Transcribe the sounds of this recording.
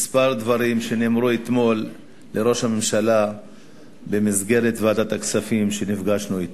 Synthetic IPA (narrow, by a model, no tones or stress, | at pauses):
mispaʁd̪vaɾimʃe̞nemɾuet̪mo̞lː | e̞ɾo̞ʃhame̞mʃala | be̞mizɡe̞ɾet̪vat̪at̪aksafimʃe̞nifɡaʃnuit̪